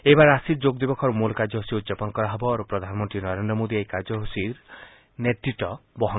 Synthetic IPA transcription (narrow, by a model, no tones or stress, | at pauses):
ebaɾeasiɾd͡ʒoɡd̪ibɔkʰɔɾumulkaɾd͡ʒɔɦosiud̪d͡ʒapɔnkɔɾaɦɔbɔɾupɾɔd̪ʱanmɔnt̪ɾinɔɾend̪ɾɔmod̪iajkaɾd͡ʒɔɦusiɾ | net̪ɾiʈɔbɔɦɔ